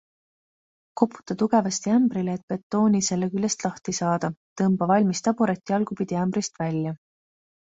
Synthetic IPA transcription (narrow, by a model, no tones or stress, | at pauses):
ko̞pːˑu̥t̪ːˑɑt̪uɡ̥e̞vɑst̪iæmbɾileːt̪̚pe̞t̚t̪ːˑo̞ːnise̞lːekylːest̪lɑht̪isɑːd̪̥ɑt̪ɤmb̥ɑvɑlʲmist̪ɑbuɾet̪ʲːˑjɑlɡ̥upid̪iæmbɾist̪vælʲjɑ